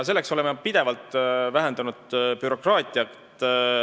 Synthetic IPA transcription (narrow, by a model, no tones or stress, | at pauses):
s̬e̞lːe̞kso̞lemepid̪̥e̞vɑlt̪ˑvæɦend̪ɑnud̪̥̚pyɾo̞krɑːt̪ʲˑiɑktt̪